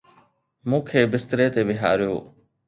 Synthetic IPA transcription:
mũːkʰeːbɪst̪ɾeːt̪eːʋɪɦa̰ːɾɪjo̰ː

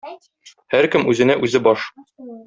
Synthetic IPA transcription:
hæɾkɘmʉzɘ̆næʔʉzɘbɒʃ

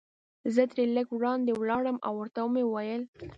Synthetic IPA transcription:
zət̪ɾeləɡwɽɑnd̪ewlɑɽəmʔa̰wːəɾt̪awmewajəl

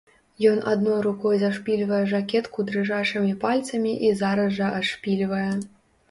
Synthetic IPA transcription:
jɔnʔad̪nɔjɾukɔjzaʂpʲilʲvɐjɛʐakʲɛt̪kud̪ɾɨʐaʂɨmʲipalʲt̪sɐmʲiʔizaɾɐzʐɐʔaʂpʲilʲvɐjɛ

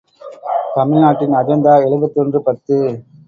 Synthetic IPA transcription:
t̪ɐmɪɻnaːʈːɪnɐɾɐnd̪aːɛɻɯbɐt̪ːɔndrɯpɐt̪ːɯ

